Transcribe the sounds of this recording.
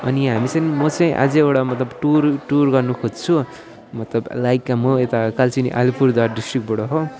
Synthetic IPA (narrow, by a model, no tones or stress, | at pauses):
ʌ̰niɦamit͡sʌnmʌt͡sʌj̃ʔa̰d͡zeewɽamʌt̪lʌbʈurʈurɡʌrnukʰod̪t͡sʰu | mʌt̪lʌblajkːamʌet̪akalt͡siniʔalipuɾd̪waɖisʈrik̚bʌɽoɦo